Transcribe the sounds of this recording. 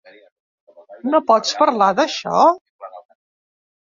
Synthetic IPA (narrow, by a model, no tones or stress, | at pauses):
nopɔt͡spəɾlaðəʃɔ̰